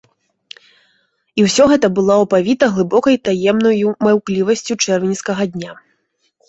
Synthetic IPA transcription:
iwsʲɔɣɛt̪ɐbɨlˠawpavʲit̪ɐɣlˠɨbɔkɐjt̪ajɛmnɐjumawklʲivɐsʲt͡sʲut͡ʂɛrvʲinʲskɐɣɐd̪ʲnʲa

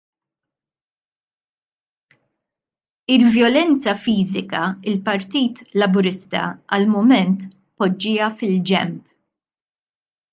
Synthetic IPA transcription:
ɪlvjɔlɛnt͡sɐfiːzɪkɐɪlpɐɾt̪iːt̪lɐbʊɾɪst̪ɐ̰ɐlmʊmɛnt̪ | pɔd͡ʒːɪːjɐfɪld͡ʒɛ̰mp

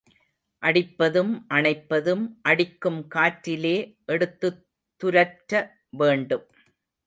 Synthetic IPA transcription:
ʔɐɽɪpːɐðɯmʔɐɳɐɪpːɐðɯmʔɐɽɪkːɯmkaːʈɾɪleːʔɛɽɯt̪ːɯ | t̪ːʊɾɐʈɾɐ | ʋeːɳɖɯm

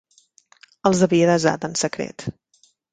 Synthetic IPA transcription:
əlˠzəβiəðəza̰t̪ənsəkɾḛt̪

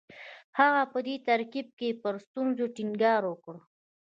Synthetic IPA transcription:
haɣapəd̪et̪aɾkib̚kepəɾst̪unzoʈiŋɡɑɾwəkɽ

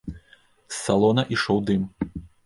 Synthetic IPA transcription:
sːalˠɔnɐʔiʂɔwd̪ɨm

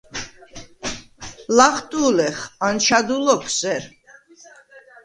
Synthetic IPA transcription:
laχt̪ʼuːlɛχant͡ʃʰad̪ulɔkʰsɛɾ

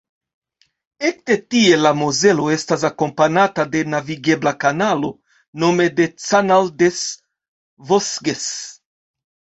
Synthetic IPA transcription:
ek̚t̪e̞tie̞lamoze̞lo̞e̞stas̬ako̞mpanatade̞naviɡe̞blakanalo̞ | no̞me̞de̞t͡sanaldes | vosɡes

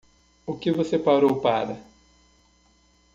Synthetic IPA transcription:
ʊkɪvosepawɾowpaɾɐ

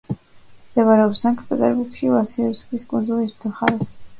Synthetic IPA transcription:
md̪̥ɛɡaɾɛɔpsaŋkʰpʼɛt̪ʼɛɾbuɾɡʃilasiɔɾt̪skiskʼund̪zulist̪ʰɔχaɾɛs

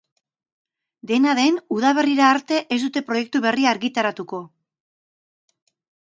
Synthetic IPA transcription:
d̪e̞naðe̞nuð̞aβ̞e̞riɾaːɾt̪e̞ʔezd̪ut̪e̞pɾo̞je̞k̚t̪uβe̞riaːɾɣit̪aɾat̪uko̞

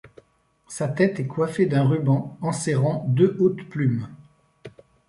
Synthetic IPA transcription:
sat̪ɛt̪ɛkwafed̪ɛ̃ʁybɑ̃ɑ̃sɛʁɑ̃d̪øʔot̪plym

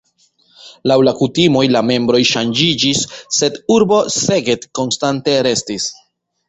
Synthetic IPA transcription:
lawlakutimo̞jlame̞mbɾo̞jʃand͡ʒid͡ʒisːe̞duɾbo̞se̞ɡe̞tko̞nstante̞ɾe̞stis

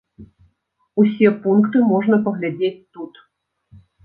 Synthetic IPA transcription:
usʲɛpunkt̪ɨmɔʐnɐpɐɣlʲad͡zʲet͡sʲt̪ut̪

